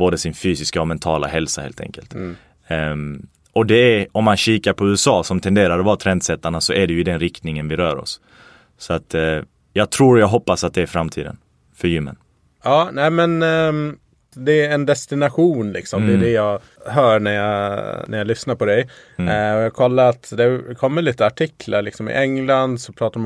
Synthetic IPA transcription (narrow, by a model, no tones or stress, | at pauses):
boːd̪əsɪnfyːsɪskaɔmɛnt̪ʰɑːla̰ɦɛlsahḛːlt̪ʰɛ̰ŋkə̰lt̪ | ɔd̪ɛæɔmːanɕiːkaɾpʰɔʉ̟ːɛsɑːsɔmt̪ʰɛnd̪eːɾaɾɔvɑːt̪ʰɾɛnd̪sɛt̪ːaɳasɔʔæɖɛjɵɪd̪ɛnɾɪkt̪nɪŋənvɪɾœːɾɔ̰sː | ɔat̪ | jɑːɡ̚t̪ʰɾuːɾjɑːɡɦɔpːasat̪̚d̪ɛːɾfɾamt̪ʰḭːd̪ə̰n | fœɾjʏmːə̰n | ɑːnæːɪmɛn | d̪ɛɛnd̪ɛst̪ɪnaɧuːnlɪ̰ksɔmd̪ɛʉd̪ɛjɑɡ | ɦœːɾɳæjɑɡnæɾjalʏsnaɾpʰɔd̪ɛ | jɑːɡkʰɔlːaɾat̪d̪ɛkʰɔmːəɭliːt̪əaʈʰɪkʰlaɾɭɪksɔmɪ̰ʔɛŋland̪sɔpʰɾɑːt̪aɾm